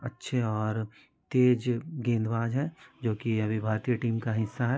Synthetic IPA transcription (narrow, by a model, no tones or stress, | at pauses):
ɐtːʃʰeɔːɾ | t̪eːd͡ʒɡẽːnd̪ʋaːd͡ʒɦɛːd͡ʒoːkiɐbʱibʱaːɾt̪ijəʈiːmkaɦɪsːaɦɛː